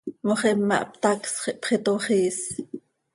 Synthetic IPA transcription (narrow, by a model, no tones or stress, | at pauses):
moχɛmːɑ̰ʔp̚t̪aksχeʔpχet̪oχeːs